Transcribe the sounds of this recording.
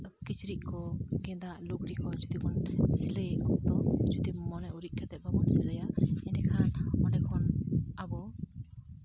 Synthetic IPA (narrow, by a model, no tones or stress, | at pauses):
kit͡ʃɾiʔ̚kɔɡɛ̃d̪aʔlukɽikɔd͡ʒud̪ikɔnsilejɔkt̪ɔd͡ʒud̪imɔnɛuɾit̪̚ˀkat̪ɛbɔbɔnsiləjaɛʈɛkʰanɔnɛkʰɔnabɔ